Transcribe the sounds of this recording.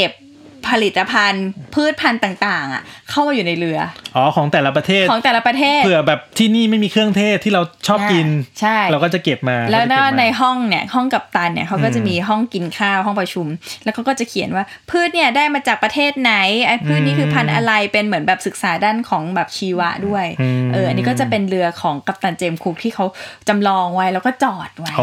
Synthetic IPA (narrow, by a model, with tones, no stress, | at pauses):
ke˨˩pʰː | a˧li˨˩t̪ːa˧pʰa˧npʰɯː˥˩t̪̚pʰa˧nt̪aː˨˩ŋt̪aː˨˩ŋʔa̰˩kʰa˥˩wmaː˧juː˨˩na˧jɾɯ˧ɐʔɔː˨˦kʰɔː˩˦ŋt̪ɛː˨˩la˦˥pɾa˧t̪ʰeː˥˩t̪ʰɔː˩˦ŋt̪ɛː˨˩la˦˥pɾa˧t̪ʰeː˥˩ɯ˨˧˩ɐbɛː˨˩p̚t̪ʰiː˥˩niː˥˩ma˥˩jmiː˧kʰɾɯ˥˩əŋt̪ʰeː˥˩t̪ʰːiː˥˩ɾa˧wt͡ɕʰɔː˥˩p̚ki˧nt͡ɕʰa˥˩jɾɛ˧˥wkɔː˥˩t͡ɕa˨˩ke˨˩p̚maː˧lɛː˦˥wɛ˦˥na˧jɦɔ˥˩ŋni˥˩ɐhɔ˥˩ŋka˨˩p̚t̪a˧nːi˥ɐkʰa˦˥kɔː˥˩t͡ɕa˨˩miː˧ɦɔ˥˩ŋki˧nkʰaː˥˩ɦɔ˥˩ŋpɾa˧t͡ɕʰu˧mlɛː˧˦˥wkʰa˦˥wkɔː˥˩t͡ɕa˨˩kʰi˨˩˦ə˦nwaː˥˩ | pʰɯː˥˩t̪̚ni˥˩ɐdaː˥˩jmaː˧t͡ɕaː˨˩k̚pɾa˧t̪ʰeː˥˩t̪̚na˨˦˥ja˧pʰɯː˥˩t̪̚niː˥˩kʰɯː˧pʰa˧nʔa̰˧ɾa˧jpe˧nmɯ˩˦ənbɛː˨˩psɯ˨˩k̚saː˩˦daː˥˩nkʰɔː˩˦ŋbɛː˨˩p̚t͡ɕʰiː˧wa˦˥ʔdu˥˩əjʔɤː˧˩ʔa˧nːiː˦˥kɔ˥˩t͡ɕa˨˩pe˧nɾɯ˧ɐkʰɔː˩˦ŋka˨˩p̚t̪a˧nt͡ɕeː˧mkʰuː˦˥k̚t̪ʰiː˥˩kʰa˦˥wt͡ɕa˧mlɔː˧ŋwa˦˥jlɛ˦˥wkɔː˥˩t͡ɕɔː˨˩t̪̚wa˦˥